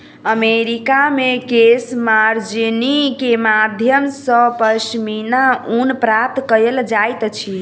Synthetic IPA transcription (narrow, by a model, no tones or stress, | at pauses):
əmeɾikamekesmaɾd͡ʒinikemad̪ʱjəmsəpəʃminaunpɾap̚t̪kəjeld͡ʒajt̪t͡ʃʰi